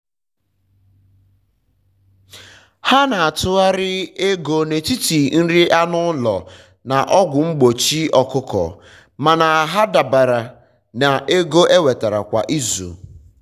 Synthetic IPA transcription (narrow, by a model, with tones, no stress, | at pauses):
ha˦na˨a˨tʊ˦a˦ɾɪ˦e˦ɡo˦ne˨ti˦ti˨n̩˦ɾi˦ʔa˦nʊ˦lɔ̰˨ | na˨ʔɔ˦ɡʷʊ˨ŋ͡m̩˦ɡ͡bo˨t͡ʃi˦ɔ˨kʊ˦kɔ̰˨ | ma˨na˨a˨ɦa˦da˨ba˨ɾa˨ | na˨ʔe˦ɡo˦ʔe˦we˨ta˨ɾa̰˨kʷa̰˨ʔi˦zṵ˨